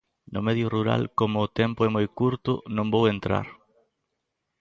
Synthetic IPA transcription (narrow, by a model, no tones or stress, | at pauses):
nʊmeðjʊruɾa̰lkomʊːt̪ɛmpʊɛmojkuɾt̪ʊ̰nõmbowent̪ɾa̰ɾ